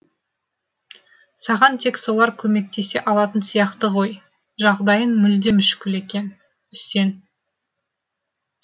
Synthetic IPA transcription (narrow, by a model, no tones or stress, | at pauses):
sɑʁɑnt̪ʰe̞kso̞lˠɑɾkʲʰɵme̞k̚t̪e̞se̞ʔɑlˠɑt̪ənsijɑqt̪əʁo̞j | ʒɑʁd̪ɑjənmʏld̪e̞mʏʃkʲɪle̞kʲen | ʏse̞n